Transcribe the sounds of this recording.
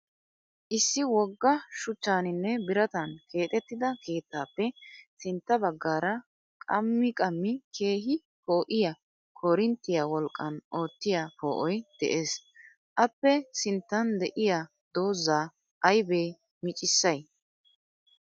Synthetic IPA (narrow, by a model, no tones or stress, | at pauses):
ʔɪsːɪwɔɡːɐʃʊt͡ʃːaːnɪnːɛbɪɾɐt̪ɐnkʰe̞ːt̪ʼɛt̪ːɪd̪ɐkʰe̞ːt̪ːaːpːɛsɪnt̪ːɐbɐɡːaːɾɐ | kʼɐ̰mːɪkʼɐmːɪkʰe̞ːɦɪ | po̞ːʔɪjɐ | kʰoɾɪnt̪ːɪjaːwɔlkʼːɐnʔoːt̪ːɪjapoːʔɔjd̪̥ɛ̰ʔe̞ːs | ʔɐpːɛsɪnt̪ːɐnd̪ɛʔɪja | d̪̥o̞ːzːaː | ʔɐjbeː | mɪt͡ʃʼɪsːɐj